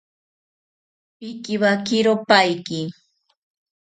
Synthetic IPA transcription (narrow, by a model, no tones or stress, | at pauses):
pɪkɪwakɪɾopajkɪ